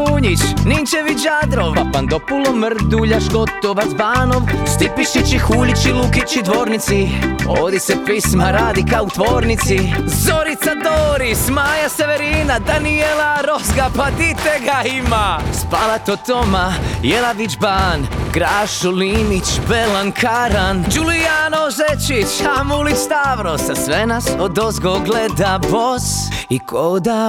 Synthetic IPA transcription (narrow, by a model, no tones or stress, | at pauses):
uːɲit͡ʃnint͡ʃeʋiad̪ɾoʋapand̪opulomrd̪uʎaʒɡo̞t̪oʋazbaːnoʋst̪ipiʃit͡ʃixuːʎit͡ʃilukit͡ʃid̪ʋo̞ːɾnit̪sioːd̪isepismaɾaːd̪ikaut̪ʋoːɾnit̪sizo̞ɾit̪sad̪oːɾismaːjaseʋeɾiːnad̪anielaɾo̞zɡapad̪it̪eɡaimaspalat̪ot̪o̞majelaʋid͡ʒbanɡɾaːʃuliːmit͡ʃbelankʰaɾand͡ʒulianozet͡ʃit͡ʃamulist̪aʋɾosasʋenasod̪ozɡoɡled̪aboz̥ | ikʰod̪a